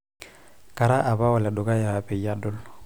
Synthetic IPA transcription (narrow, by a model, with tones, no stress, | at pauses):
ka˨ɾa˦ʔa˨βa˦wa˨la˨dʊ˨ka˦ja˨wa˨pe˨ja˦dʊ˦l